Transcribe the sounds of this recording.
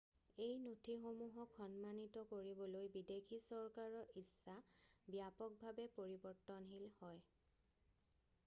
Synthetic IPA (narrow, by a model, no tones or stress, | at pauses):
ejnotʰixomuɦɔkxɔnmanitɔkoɹibɔlojbidekʰisɔɹkaɹɔʔisːabijapɔk̚bʱabɛpoɹibɔɹtɔnɦilhɔj